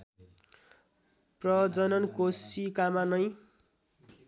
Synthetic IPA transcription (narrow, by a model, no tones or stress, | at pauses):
prʌd͡zʌnʌnkosikamanʌj̃